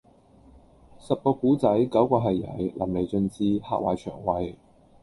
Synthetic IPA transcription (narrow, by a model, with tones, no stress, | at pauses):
sɐ˨p̚poː˨˧kuː˨˥t͡sɐ˨˥jkɐ˨˥wkɔː˧ɦɐ˨jːɐ̰˨˩jlʔɐ̰˨˩mle˨˩jt͡sɵ˧nt͡siː˧ha̰ː˧k̚waː˨˩jt͡ʃʰœ̰ː˨˩ŋwɐ˨˧j